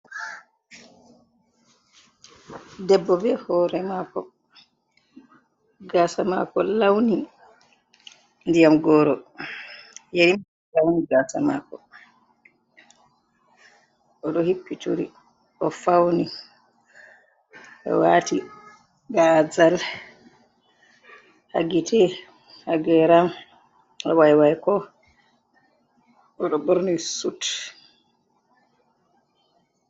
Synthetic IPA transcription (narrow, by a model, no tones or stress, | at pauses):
dɛbːɔbɛhɔːɾɛmakɔ | ɡasama̰kɔlawni | ndijamɡɔːɾɔ | jeɾim | lawniɡaːsama̰kɔ | ʔɔɗɔhipːituɾi | ʔɔfawni | ɔ̰wati | ɡazal | ha̰ɡitɛ | haɡɛɾam | ɔwajwajkɔ | ɔɗɔbɔɾnisut